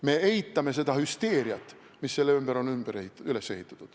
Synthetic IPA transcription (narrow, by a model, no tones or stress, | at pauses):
me̞ʔejt̪ːˑɑme̞s̬e̞d̪̥ɑhyst̪e̞ːɾiɑt̪ːˑ | misːelːymbæɾo̞nymb̥æɾehit̪ːˑɑyle̞sːe̞hit̪ːˑɑ̥t̪ːud̪̥